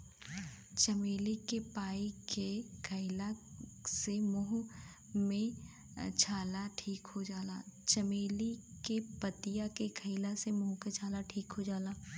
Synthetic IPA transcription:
t͡ʃɐmeːlikepaːikekʰəɪlasemʊɦ | mẽ | t͡ʃʰaːlaʈʰiːkɦod͡ʒaːlat͡ʃɐmeːlikepət̪ɪjakekʰəɪlasemʊɦket͡ʃʰaːlaʈʰiːkɦod͡ʒaːlaː

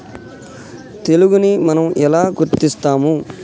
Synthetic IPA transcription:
t̪e̞luɡunimɐnɐmɛlaːɡuɾt̪ist̪aːmu

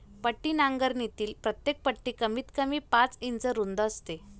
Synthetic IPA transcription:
pəʈːiːnaŋɡəɾnit̪iːlpɾət̪jek̚pəʈːiːkəmiːt̪kəmiːpat͡sint͡səɾund̪əəst̪e

